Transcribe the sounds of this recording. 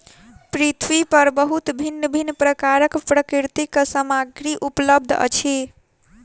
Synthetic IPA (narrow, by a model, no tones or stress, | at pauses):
pɾit̪ʰwipəɾbəɦut̪bʱinːəbʱinːəpɾəkaɾəkpɾəkiɾt̪ikəsəmaɡɾiʔupləb̚d̪ʱə̰t͡ʃʰi